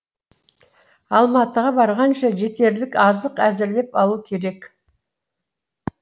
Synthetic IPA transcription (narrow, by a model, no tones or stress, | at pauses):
ɑlˠmɑt̪əʁɑbɑɾʁɑnʃɑʒe̞t̪e̞ɾlɪkɑzəqæzɪɾle̞pɑlˠukʲʰe̞ɾe̞k